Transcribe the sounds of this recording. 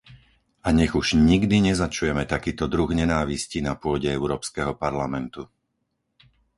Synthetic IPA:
aɲɛɣuʒɲiɡd̪iɲɛzat͡ʃujɛmɛt̪akiːt̪ɔd̪ɾuɣɲɛnaːʋiscinapʊɔɟɛɛʊɾɔːpskɛɦɔpaɾlamɛnt̪u

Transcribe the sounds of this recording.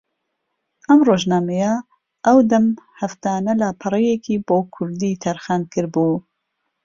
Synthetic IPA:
ʔɐmroːʒnaːmeja | ʔɐwd̪ɐmhɐft̪aːnɐlaːpʰɨrˤejekʰiːboːkʰʊɾd̪iːt̪ʰɐɾxaːnkʰɨɾbuː

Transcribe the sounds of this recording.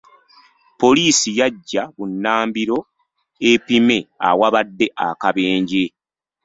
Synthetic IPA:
po̞liːsijaɟːaβunːaːmbiɾo̞ | epime̞a̰waβadːe̞ʔa̰kaβeːɲɟe

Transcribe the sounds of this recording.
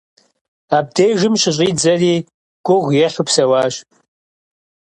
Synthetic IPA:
aːb̚dejʒɨmɕɪɕʼiːd͡zɐriː | ɡ̥ʷʊʁʷjɛχʲʊpsɐwaːɕ

